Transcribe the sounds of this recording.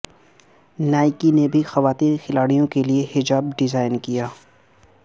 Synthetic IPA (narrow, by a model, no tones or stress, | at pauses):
naːɪkinebʱixɐʋaːt̪iːnxɪlaːɽijõkeliehɪd͡ʒaːbɖɪzaːɪnkijaː